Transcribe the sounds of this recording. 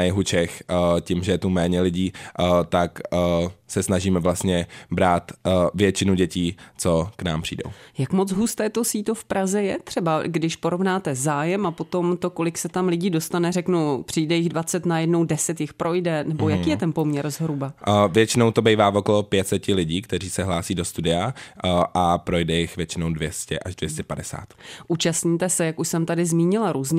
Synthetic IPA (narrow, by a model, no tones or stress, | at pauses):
ajɛɦut͡ʃɛxcimʒɛjɛt̪umɛːɲɛlɪɟiːt̪akː | sɛsnaʒiːmɛvlast̪ɲɛbɾaːt̪vjɛt͡ʃɪnuɟɛciːt͡sokna̰ːmpr̝̥ḭːdo̰wjakmo̞t͡sɦust̪ɛːt̪osiːt̪ofpɾazɛjɛt̪r̝̥ɛbaɡdɪʃpo̞ɾo̞vnaːt̪ɛzaːjɛmapo̞t̪o̞mt̪o̞ko̞lɪksɛt̪amlɪɟiːdo̞st̪anɛrɛknupr̥iːdɛjɪɣdvat͡sɛt̪najɛdno̞wdɛsɛt̪jɪxpɾo̞jdɛnɛbojakiːjɛt̪ɛnpo̞mɲɛɾzɦɾubavjɛt͡ʃɪno̞wt̪obejvaːvokolopjɛt̪t͡sɛcɪlɪɟiːkt̪ɛɾiːsɛɦlaːsiːdost̪udɪaʔapɾo̞jdɛjɪxvjɛt͡ʃɪnowdvjɛscɛ̰ʔaʒdvjɛscɛpadɛsa̰ːt̪ʔuːt͡ʃast̪ɲit̪ɛsɛjakuʃsɛmt̪adɪzmiːɲɪlaɾuːzɲ